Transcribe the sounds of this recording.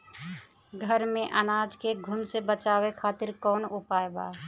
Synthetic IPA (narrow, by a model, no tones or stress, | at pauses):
ɡʱəɾmẽʔənaːd͡ʒkeɡʱʊnsebət͡ʃaːwekʰaːt̪ɪɾkɔːnʊpaːeba̰ː